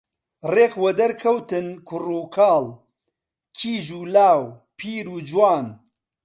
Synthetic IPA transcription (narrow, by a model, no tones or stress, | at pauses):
reːqwɐd̪ɐɾkʰɐwt̪ɨnkʰʊruːkʰaːl | kʰiːʒuːlaːwpʰiːɾuːd͡ʒwaːn